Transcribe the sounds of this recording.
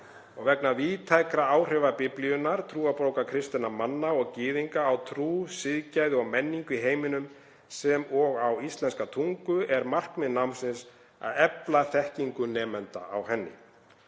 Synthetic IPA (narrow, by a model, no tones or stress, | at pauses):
ɔɣvɛknaviːt̪ʰajkɾaaːwr̥ɛvapɪplijʏnːaɾ̥t̪ʰɾuːawpɾowkakʰɾɪst̪ɪnamanːaɔɣcɪːðiŋkaːwt̪ʰɾuːsɪðcajðɪɔɣmɛnːiŋkɪɦeːjmɪnʏm | sɛmɔɣawist̪lɛnskat̪ʰuŋkʏɛɾmar̥kmɛðnawmnsɪns | a̰ðɛplaθɛhciŋkʏnɛːmɛnt̪a̰a̰wɦɛnːɪ̰